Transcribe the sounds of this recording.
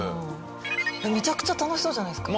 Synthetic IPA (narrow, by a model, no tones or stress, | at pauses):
emʲet͡ɕakɯ̟̥t͡ɕat̪anoɕi̥so̞ːʑanaisɨ̥k